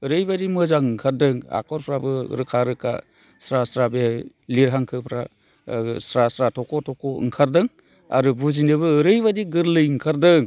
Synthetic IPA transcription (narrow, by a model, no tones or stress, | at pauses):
ɯɾɯjbadimɯzaŋɯŋkʰaɾdɯŋa̰kʰɔɾpʰɾabɯ̰ɾɯkʰaɾɯkʰa̰ | sɾasɾabe | liɾɦaŋkʰɯpʰɾa | sɾasɾatʰɔkɔtʰɔkɔɯ̰ŋkʰaɾdɯŋ | a̰ɾubuzinɯβɯːɾɯjβadiɡɯɾlɯjɯŋkʰaɾdɯŋ